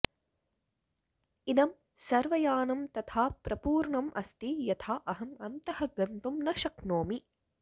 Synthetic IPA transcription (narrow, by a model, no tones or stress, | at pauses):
inɐm | sɐɾʋɐjaːnɐmt̪ɐt̪ʰaːpɾɐpuːɾɳɐmʔɐ̰st̪ijɐt̪ʰaːʔɐɦɐmɐnt̪ɐhɐɡɐnt̪umnɐʃɐknoːmi